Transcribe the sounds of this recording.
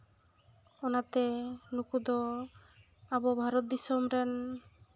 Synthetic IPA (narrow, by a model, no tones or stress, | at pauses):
ɔnat̪enukud̪ɔ | abɔbʱaɾɔt̪̚d̪isɔmɾɛn